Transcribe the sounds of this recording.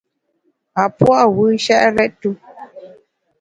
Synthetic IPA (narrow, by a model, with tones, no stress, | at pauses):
a˨pɔ˦a˨wi˦ʃa˦ʔɾɛ˦tːu˦